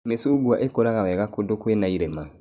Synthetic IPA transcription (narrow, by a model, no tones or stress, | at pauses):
mesuɡwaʔekoɾaɣaβɛɣakodokwenaiɾɛma